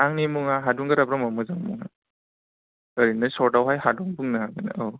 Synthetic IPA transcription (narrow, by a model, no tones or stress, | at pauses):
aŋnimuŋaɦaduŋɡaɾabɾɔmamɯzaŋmuŋa̰ | əɾinɯsɔɾdawɦajhadɔŋbuŋnɯɦaɡɯna̰aw